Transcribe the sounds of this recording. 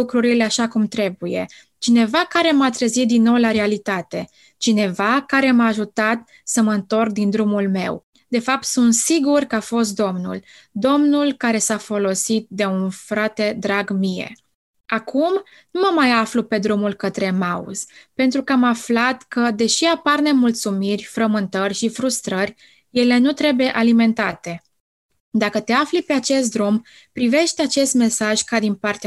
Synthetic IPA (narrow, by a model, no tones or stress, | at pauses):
ukɾuɾile̞aʃakumt̪ɾe̞buje̞̰ | t͡ʃine̞vakaɾe̞mat̪ɾəzit̪̚d̪inːo̞wlaɾe̞alit̪at̪e̞ | t͡ʃine̞vakaɾe̞maːʒut̪at̪̚ | səməɨnt̪o̞rk̚d̪ind̪ɾumulme̞̰w | d̪̥e̞fap̚t̪sunt̪siɡurkəafo̞s̬t̪̚d̪o̞mnṵl | d̪o̞mnulkaɾe̞safo̞lo̞sit̪̚d̪e̞unfɾat̪e̞d̪ɾaɡmije̞̰ | akʰum | numəmajaflupe̞d̪ɾumulkət̪ɾe̞maṵz̥pe̞nt̪ɾukəamaflat̪kəd̪e̞ʃiaparne̞mult̪sumirʲfɾəmɨnt̪ərʲʃifɾust̪ɾərʲ | je̞le̞nut̪ɾe̞buje̞ʔalime̞nt̪at̪e̞ | d̪akət̪e̞aflipe̞at͡ʃe̞st̪̚d̪ɾum | pɾive̞ʃt̪eat͡ʃe̞st̪me̞saʒkad̪inpart̪ea